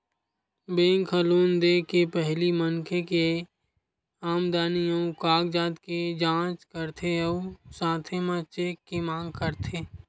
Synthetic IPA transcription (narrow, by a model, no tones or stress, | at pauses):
bẽːŋkʰəluːnd̪eːkepɛɦlimənkʰeke | aːmd̪aːnijõkaːɡd͡ʒaːt̪ked͡ʒãːt͡ʃkəɾt̪ʰeɔsãːt̪ʰemãt͡ʃeːkːemãːŋɡkəɾt̪ʰeː